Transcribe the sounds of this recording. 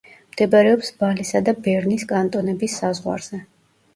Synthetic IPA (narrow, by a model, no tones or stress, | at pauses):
md̪̥ɛbaɾɛɔpsbalisad̪abɛɾniskʼant̪ʼɔnɛbisːazʁwa̰ɾz̥ɛ